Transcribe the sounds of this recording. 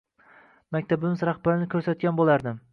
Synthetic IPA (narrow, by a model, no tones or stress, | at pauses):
makʲt̪ʰabɪmɪzɾaχbaɾɪnɪkʲʰɵɾsat̪̚ɡʲanbolˠaɾd̪ɪm